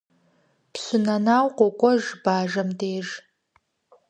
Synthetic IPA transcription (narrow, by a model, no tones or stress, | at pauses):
psʷʊnɐnaːwqʷɔkʷʼɔʒbaːʒɐmdeːʒ